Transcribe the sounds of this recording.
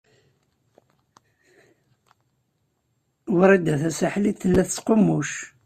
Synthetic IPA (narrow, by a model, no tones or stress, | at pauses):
wəɾˤæd̪æθæsaħliθəlːæθət͡sːqomːuʃ